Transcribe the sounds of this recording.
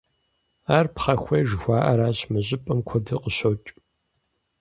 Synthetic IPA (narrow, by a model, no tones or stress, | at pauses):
aːrpχɐxʷeːʒxʷɑːʔɐɾaːɕmɨʑʼɪpʼɐmkʷʰɔdɨqəɕowt͡ʃʼ